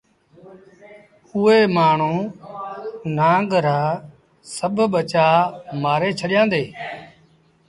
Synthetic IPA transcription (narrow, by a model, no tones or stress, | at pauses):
ʊːeːmaːɳ̤ũː | nãːŋɡɾaː | səbʱɓət͡ʃaːmaːɾeːt͡ʃʰəɗɪjãːnd̪eː